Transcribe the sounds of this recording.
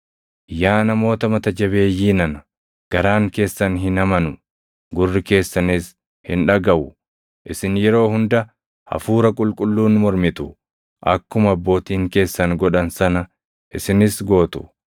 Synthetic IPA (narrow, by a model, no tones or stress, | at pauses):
jaːnɐmo̞ːt̪ɐmɐt̪ɐd͡ʒɐbe̞ːjːiːnɐnɐ̥ | ɡ̥ɐɾaːŋke̞ːsːɐnɦɪnɐmɐnʊ | ɡʊrːɪke̞ːsːɐnɪs | hɪnᶑɐɡɐʔʊ | ʔɪsɪnjɛɾo̞ːhʊnd̪ɐ | hɐ̰fuːɾɐkʼʊlkʼʊlːuːnmɔɾmɪt̪ʊ | ʔɐ̰kːʊmɐbːo̞ːt̪iːŋke̞ːsːɐnɡɔᶑɐnsɐnɐ | ʔɪsɪnɪsɡo̞ːt̪ʊ̥